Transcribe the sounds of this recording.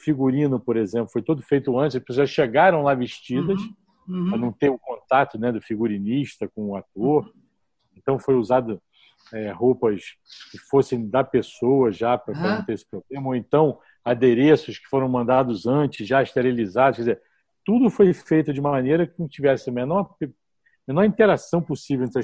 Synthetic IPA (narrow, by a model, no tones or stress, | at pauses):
ʊfiɡuɾĩnʊpoɾezẽmplʊfojt̪od̪ʊfejt̪ʊɐ̃t͡ʃɪzɐpesoɐsʃeɡaɾɐ̃w̃lavɪʃt͡ʃid̪ɐʃ | pɾɐnɐ̃w̃t̪eɾʊkõnt̪at̪ʊnɛd̪ʊfiɡuɾiniʃt̪ɐkõʊat̪oɾ | ẽnt̪ɐ̃w̃fojuzad̪ʊ | ɛɦowpɐs | kɪfosẽj̃d̪ɐpesowɐʒapɾɐpɐ̃nɐ̃w̃t̪eɾesɪ̥pɾoblẽmɐoẽnt̪ɐ̃w̃ | ad̪eɾesʊʃkɪ̥foɾɐ̃w̃mɐ̃nd̪ad̪ʊzɐ̃t͡ʃɪzʒaiʃt̪eɾilizad̪ʊʃkɛdize | t̪ud̪ʊfojfejt̪ʊd͡ʒɪũmɐmɐnejɾɐkɪ̃t͡ʃivɛsɪmẽnɔ̃ɾpe | menɔɾĩt̪eɾasɐ̃w̃posivewẽt̪ɾɐ